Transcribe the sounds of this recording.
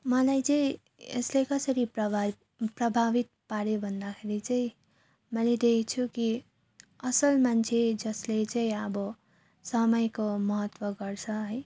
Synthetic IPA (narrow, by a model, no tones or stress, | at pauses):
mʌlajt͡sʌĩ | ḛslekʌsʌɾipʌ | prʌbʱabit̪̚paɾjobʱʌnd̪akʰeɾit͡sʌĩ | mʌled̪ekʰit͡sʰuki | ʌsʌlmant͡sʰed͡zʌslet͡saĩʌbʌ | sʌmʌjkomʌɦʌt̪wʌɡʌrt͡sʰʌɦʌj